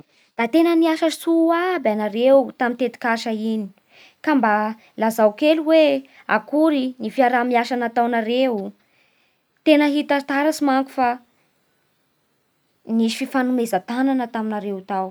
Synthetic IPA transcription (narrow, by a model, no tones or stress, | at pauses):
d̪̥at̪enəniaʃəsuwabanaɾewt̪amint̪et̪i̥kaʃaini̥ | kamba | lazawkeluwe | a̰kuɾinifiaɾamiaʃanət̪awnaɾewu | t̪enəɦit̪at̪aɾasimaŋku̥fa | niʃi̥fifanumezat̪ananət̪aminaɾewt̪aw